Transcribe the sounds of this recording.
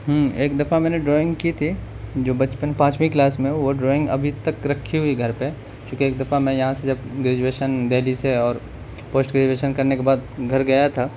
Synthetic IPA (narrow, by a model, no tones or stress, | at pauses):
ɦɛ̃eːkd̪ɐfamɛ̃ːneɖɾoːɪ̃ŋɡkit̪ʰi | d͡ʒoːbɐt͡ʃpənpãːt͡ʃwĩklaːsmẽʋoɖɾoːɪ̃ŋɡɐ̰bʱit̪ɐkɾɐkʰːiɦʊiɡʱɐɾpe | kjõːkieːk̚d̪ɐfamɛ̃jɐɦãsed͡ʒɐbɡɾeːd͡ʒuweːʃənd̪eːliseɔːɾ | poːsʈɡɾeːd͡ʒueːʃənkɐɾnekebaːd̪ɡʱɐɾɡɐjat̪ʰaː